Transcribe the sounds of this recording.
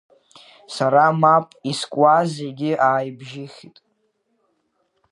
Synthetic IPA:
saɾamapʼiskʷʼwazeɡʲɪʔaːjbʒɪχʲitʼ

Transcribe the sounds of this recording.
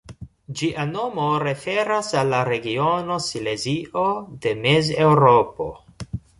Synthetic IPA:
d͡ʒiʔano̞mo̞ɾe̞fe̞ɾasalːaɾe̞ɡiono̞sile̞ziʔode̞meze̞wɾopo̞̰

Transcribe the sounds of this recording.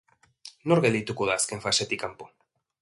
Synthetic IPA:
noɾɣelit̪ukuðaskeɱfaʃet̪ikampo

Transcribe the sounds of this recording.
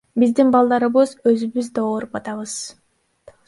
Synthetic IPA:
bizd̪inbɑlˠd̪ɑɾɯβɯzø̞zyβyzd̪ɑoːɾupɑt̪ɑβɯz̥

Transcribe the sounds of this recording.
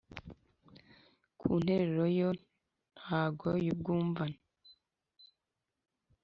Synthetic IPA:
kʰuːn̥he̞ɾeɾojo | n̥haːɡojub̚ɡuːɱvana

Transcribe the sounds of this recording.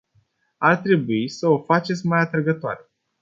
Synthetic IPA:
art̪ɾe̞buisəo̞fat͡ʃe̞t̪sʲmajat̪ɾəɡət̪oaɾe̞

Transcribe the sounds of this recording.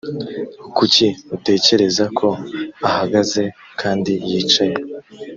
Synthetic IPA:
ukuciute̞ːce̞ɾe̞zakʰo̞ahaɡaze̞ | kʰaːndijiːt͡ʃaje

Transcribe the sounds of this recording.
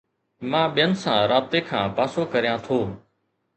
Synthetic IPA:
mãːɓɪjənɪsãːɾaːb̚t̪eːkʰãːpaːsoːkəɾɪjãːt̪ʰoː

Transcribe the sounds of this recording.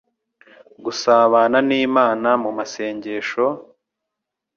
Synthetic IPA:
ɡusaːβaːnaniːmaːnamumase̞ːɲɟe̞ːʃo̞

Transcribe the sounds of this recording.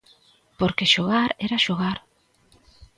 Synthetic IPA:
poɾkeʃoɣaɾɛɾaʃoɣaɾ

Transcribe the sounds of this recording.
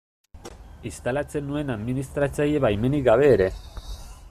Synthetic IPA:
ist̪alat͡se̞nːue̞naðminist̪ɾat͡saje̞βajme̞nikɡaβ̞e̞ːɾe̞

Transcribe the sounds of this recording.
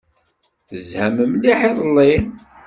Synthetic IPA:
θəzhæməmliħiðˤlːin

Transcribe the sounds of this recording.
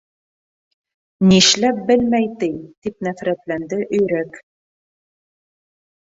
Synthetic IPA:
niʃlæp̚bɘlmæjt̪ɘjt̪ipnæfɾæt̪lænd̪ɘʔɵ̆jɾæk

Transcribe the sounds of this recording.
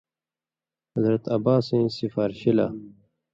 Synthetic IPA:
hɐzɾɐt̪ɐbaːsẽːsifaːɾɕila̰

